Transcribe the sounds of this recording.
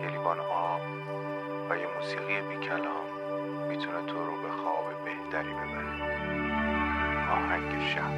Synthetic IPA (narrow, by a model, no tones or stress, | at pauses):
kʰelibɒːnʔɒːm | væjemuːsiːɣijebiːcʰælɒːnː | it̪ʰunet̪ʰoɾobexɒ̰ːbebeht̪ʰæɾibe̞bæɾæ | ʔɒːhæŋɟeʃæh